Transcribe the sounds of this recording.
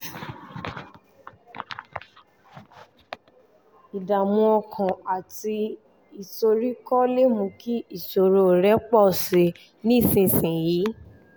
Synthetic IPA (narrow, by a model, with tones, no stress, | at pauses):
i˨da˨mũ˧ɔ˧kʰã˨a˨ti˧ | i˨so˧ɾi˦kɔ˦le˦mũ˧ki˦i˦˨so˨ɾo˨ɾɛ˦k͡pɔ˦˨si˨˦ | nĩ˦˨sĩ˧sĩ˨jiː˨˦